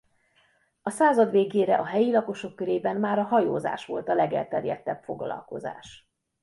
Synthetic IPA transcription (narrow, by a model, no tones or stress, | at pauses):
ɒsaːzɒd̪ʋeːɡeːɾɛʔɒɦɛjilɒko̞ʃo̞kːøɾeːbɛnmaːɾɒɦɒjo̰ːza̰ːʃʋo̞lt̪ɒlɛɡɛ̰lt̪ɛrjɛ̰t̪ːɛbfo̞ɡlɒ̰lko̞̰za̰ːʃ